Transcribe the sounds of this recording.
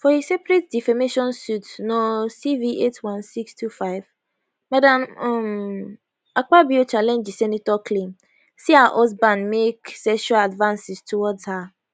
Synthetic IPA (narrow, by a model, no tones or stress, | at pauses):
fɔhisɛpɾet̚difameʃɔ̃nsutnɔ̃siviʔetʰwãnsikstʰufaɪv | mãdãmm | ak͡pabiot͡ʃalɛ̃nd͡ʒisɛnĩtɔkʰlĩm | siaʔɔs̬bãnmeksɛʃualadvãnsɪstʰuwɔta